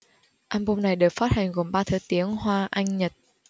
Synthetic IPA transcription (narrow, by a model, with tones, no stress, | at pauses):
ʔaː˧mɓu˧ŋ͡mna˨˩jɗɨ˨˩ək̚faː˦˥t̚ha˨˩jŋ̟ɣo˨˩mɓaː˧t̪ʰəː˨˦jt̪i˨˦əŋhwaː˧ʔa˧jŋ̟ɲə˨˩t̚